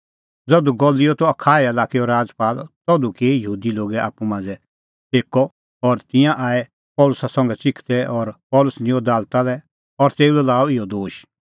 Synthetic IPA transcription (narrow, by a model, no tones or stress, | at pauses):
d͡zɔd̪uɡɔlɪjɔt̪ɔɐkʰaːɛɛlaːkiɔɾaːd͡zpaːlt̪ɔd̪ukeːjəɦuːd̪iloːɡɛa̰ːpumãːnd͡zɛ | eːkɔ | ɔɾt̪ɪ̃jãʔaːɛ | pɔːlʊsasɔ̃ŋɡɛt͡sɪkʰt̪ɛʔɔɾpɔlʊsnɪ̃ɔ̃d̪aːlt̪alɛ | ɔɾt̪eːulɛlaːɔɪjɔd̪oːʃ